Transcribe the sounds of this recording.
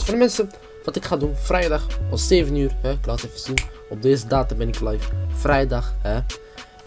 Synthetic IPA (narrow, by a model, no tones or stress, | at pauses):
fɔndəmɛnsən | ʋɑtɪkχaːdunfrʔɛjdɑχɔseːvənyːrɦɛɪklaːtɛfəz̥inɔb̚deːzədaːtəmbɛnɪklɛjffrɛjdɑχɦɛ